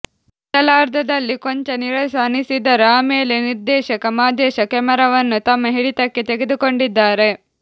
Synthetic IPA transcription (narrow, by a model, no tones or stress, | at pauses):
t̪ɐlaːɾd̪ʱɐd̪ɐlːiko̞ɲt͡ʃɐniɾɐsaːnisid̪ɐɾaːmeːle̞niɾd̪ɛːʃɐkɐmaːd̪ɛːʃɐkɛmɐɾɐʋɐnːut̪ɐmːɐɦiɽit̪ɐkːet̪eɡed̪uko̞ɳɖid̪ːaːɾe̞